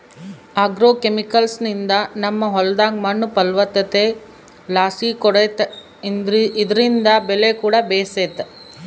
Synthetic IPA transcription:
aːɡɾoːkemikɐlsnind̪ɐnɐmːɐɦɔld̪aːŋɡmɐnːupɐlʋɐt̪ɐt̪e | laːsiːkɔɽet̪ | id̪ɐɾind̪ɐbɛlekuːɽɐbeːset̪e

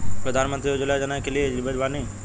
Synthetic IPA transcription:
pɾəd̪ʱaːnmə̃nt̪ɾiod͡ʒulajd͡ʒanajkelied͡ʒibəʈbani

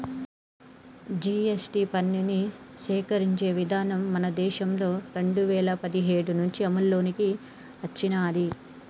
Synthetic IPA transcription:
d͡ʒiesʈipɐnːiniʃɛːkɐɾiɲt͡ʃe̞ːʋid̪ʱaːnɐmːɐnɐd̪ɛːʃɐmlo̞ːɾe̞ɳɖuʋɛːlɐpɐd̪iɦe̞ːɽunuɲt͡ʃiɐmɐlːo̞ːniki | ɦɐt͡ʃːinaːɐd̪i

